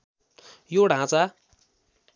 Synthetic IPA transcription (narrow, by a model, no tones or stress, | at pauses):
joɽɦãt͡sa